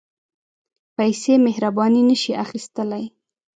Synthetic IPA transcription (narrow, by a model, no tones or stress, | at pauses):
pajsemɪhɾabɑninəʃiaxist̪əlaj